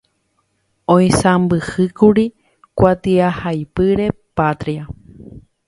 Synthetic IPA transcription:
õj̃sãmbɨhɨkuɾi | kʷat̪iahajpɨɾe̞pat̪ɾia

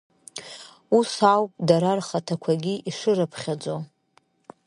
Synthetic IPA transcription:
usawpʼdaɾarχatʰakʷʰaɡʲiʔiʂɨɾapʰχʲad͡zo

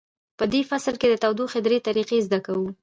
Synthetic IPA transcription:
pəd̪efaslked̪ət̪awd̪oxed̪ɾet̪aɾiqezd̪akawu

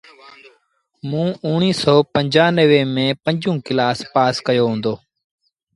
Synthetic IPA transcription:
mũːʊːɳ̃iːsɔːpəɲd͡ʒaːnəʋeːmẽːpəɲd͡ʒũːkɪlaːspaːskəjoːɦũːnd̪oː

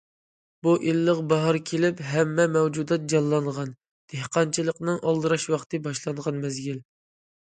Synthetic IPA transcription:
buʔilːəqbɑɦɑɾkʲʰelɪpɦɛmːɛmɛwd͡ʒud̪ɑt̪̚d͡ʒɑlˠːɑɴʁɑn | d̪̥ehqɑnt͡ʃʰɨlˠəqnɨŋʔɑlˠd̪ɨɾɑʃwɑχt̪ʰɨbɑʃlˠɑɴʁɑnmɛzɡʲil

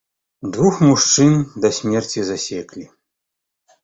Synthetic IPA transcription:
d̪vuxmuʂt͡ʂɨnd̪ɐsʲmʲɛrt͡sʲizasʲɛklʲi

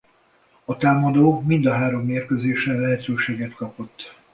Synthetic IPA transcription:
ɒt̪aːmɒd̪oːmind̪ɒɦaːɾo̞mːeːrkøzeːʃɛlɛɦɛt̪øːʃeːɡɛt̪kɒpo̞t̪ː

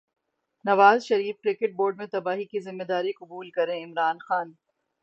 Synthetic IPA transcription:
nɐʋaːzʃɐɾiːfkɾɪkɪʈ̚boːɾɖmẽt̪ɐbaːɦikizɪmːed̪aːɾikʊbuːlkɐɾẽɪmɾaːnxaːn

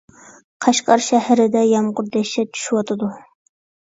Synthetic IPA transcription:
qʰɑʃqɑɾʃæhɾɪd̪ɛjɑmqʊɾd̪ɛʃɛt͡ʃʰy̥ʃywɑt̪ʰɨd̪u

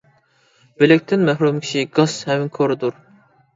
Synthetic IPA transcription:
b̥elɛk̚ʲt̪ʰɪnmɛɦɾumkʲʰi̥ʃiɡɑshɛmɪŋkʰoɾɨd̪uɾ

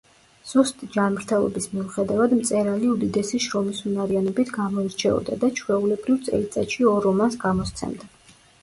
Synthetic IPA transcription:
z̥ust̪ʼid͡ʒanmɾt̪ʰɛlˠɔ̰bismiuχɛd̪avad̪mt̪sʼɛɾaliud̪id̪ɛsiʃɾɔmisunaɾianɔbit̪ʰɡamɔiɾt͡ʃʰɛɔ̰d̪ad̪at͡ʃʰwɛulɛbɾivt̪sʼɛ̰lit̪sʼaʃiɔɾɔmansɡamɔst̪sʰɛ̰md̪a

